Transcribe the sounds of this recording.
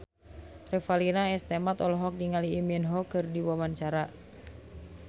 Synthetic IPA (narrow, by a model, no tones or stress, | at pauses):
rɛfalinaɛst̪ɛmat̪ɔlɔɦɔk̚diŋaliːminɦɔkɨrdiwamant͡ʃaɾa